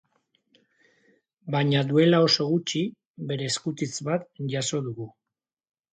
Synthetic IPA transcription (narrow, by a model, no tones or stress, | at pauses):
baɲaðue̞lao̞so̞ɣut͡ʃi | βe̞ɾe̞ːskut̪it͡sβat̪ʝaso̞ðuɣu